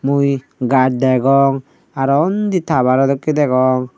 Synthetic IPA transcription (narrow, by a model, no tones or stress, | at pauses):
muj | ɡaʈ̚d̪ɛɡɔŋ | aɾɔnd̪it̪aβaɾɔd̪ɔkːid̪ɛɡɔŋ